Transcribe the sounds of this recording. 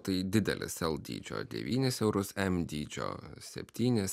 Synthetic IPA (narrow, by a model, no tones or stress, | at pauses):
t̪ɐɪd̪ʲɪd̪ʲɛ̰lʲɪ̰sɛlˠd̪ʲḭːd͡ʒʲo̰ːd̪ʲɛ̰ʋʲiːnʲɪsɛʊɾʊsɛmd̪ʲiːd͡ʒʲo̰ːsʲɛpʲt̪ʲiːnʲɪs